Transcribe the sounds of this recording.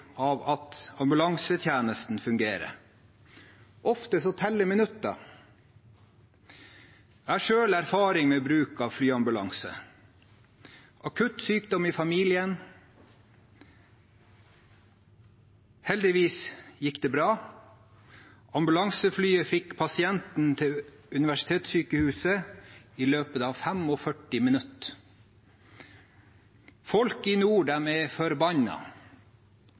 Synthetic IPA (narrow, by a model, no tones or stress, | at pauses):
ɑːʋɑt̪ɑmbʉlɑŋsət̪ʰjæːnəst̪n̩fʉŋɡeːɾə̰ | ʔɔft̪əsɔt̪ʰɛlːəmɪnʉt̪ːɑ̰ | æʂøːlæɾfɑːɾɪŋmeːbɾʉːkɑːʋflyːɑmbʉlɑ̰ŋsə̰ | ʔɑkʰʉt̪syːkd̪ɔmiːfɑmiːlɪən | hɛld̪ɪʋiːsjɪkd̪eːbɾɑː | ʔɑmbʉlɑŋsəflyːəfɪkpʰɑsɪɛnt̪n̩t̪ʰɪʉnɪʋæʂɪ̥t̪ʰeːt̪syːkəhʉːsəiːløːpət̪ɑːfæmoːfœʈɪmɪnʉt̪ | fɔlkiːnuːɖæːmeːfɔɾbɑnɑ̰